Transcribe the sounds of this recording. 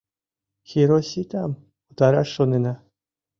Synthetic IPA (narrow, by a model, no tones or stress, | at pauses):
xʲiɾosʲit̪ʲɑm | ut̪ɑɾɑʂːonenɑ